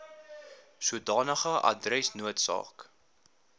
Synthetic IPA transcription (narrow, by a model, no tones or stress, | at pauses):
suədɑːnəχəʔɐ̰drɛsnuətsɑ̰ːk